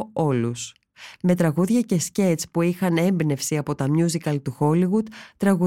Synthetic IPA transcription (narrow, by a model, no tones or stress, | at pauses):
o̞lus | me̞t̪ɾɐɣuðʝɐce̞sce̞t͡spuixɐne̞mbne̞fsiɐpo̞t̪ɐmjuzikɐlt̪uxo̞liɣud̪̥t̪ɾɐɣu